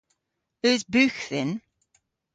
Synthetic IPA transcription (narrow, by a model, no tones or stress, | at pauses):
ʉzbʉːxθɪn